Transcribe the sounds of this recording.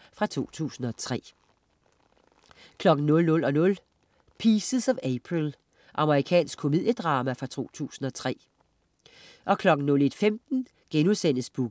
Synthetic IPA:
fʁɑ̈t͡sʰo̝̰ːt͡sʰṵːsn̩ɒ̽t͡sʰʁɛ̰ | kʰlɒ̽ɡ̥n̩nɔ̽lnɔ̽lɒ̽nɔ̽l | pʰiːsəsɒ̽ʋepʰʁil | ʔɑ̈məʁikʰɛ̰ːnsɡ̥kʰːo̝mið̰ˠjəd̥ʁɑ̈ːmæfʁɑ̈t͡sʰo̝̰ːt͡sʰṵːsn̩ɒ̽t͡sʰʁɛ̰ː | ʔɒ̽kʰlɒ̽ɡ̥n̩nɔ̽le̝d̥femd̥n̩ | ɡ̥enusen̰əsb̥uɡ̥

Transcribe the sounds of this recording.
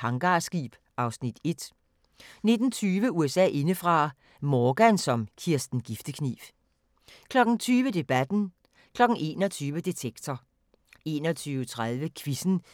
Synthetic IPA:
hɑ̈ŋɡ̥ɑ̈sɡ̥ḭːb̥ | ʔɑ̈ʊsnid̥e̝d̥ | ne̝d̥n̩t͡sʰyːʋəuesɛ̰ːʔe̝nəfʁɑ̈ | mɒːɡ̥ænsɒ̽mkʰiɐsd̥n̩ɡ̥ifd̥əkʰnḭːf | kʰlɒ̽ɡ̥n̩t͡sʰyːʋəd̥e̝b̥æd̥n̩ | kʰlɒ̽ɡ̥n̩e̝̰ːnɒt͡sʰyːʋəd̥e̝t͡sʰeɡ̥t͡sʰɒ | e̝̰ːnɒt͡sʰyːʊt͡sʰʁaðˠʋəkʰʋisn̩

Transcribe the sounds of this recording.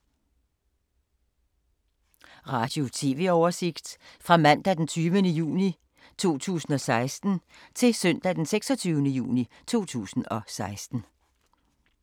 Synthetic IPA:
ʁɑ̈ːd̥jo̝t͡sʰe̝ʋe̝ɒʊɐse̝ɡ̥d̥fʁɑ̈mæn̰d̥æd̥ent͡sʰyːʋənəjṵːni | t͡sʰo̝̰ːt͡sʰṵːsn̩ɒ̽sɑ̈ɪsd̥n̩ | t͡sʰe̝sœn̰d̥æd̥enseɡ̥sɒ̽t͡sʰyːʊnəjṵːni | t͡sʰo̝̰ːt͡sʰṵːsn̩ɒ̽sɑ̈ɪsd̥n̩

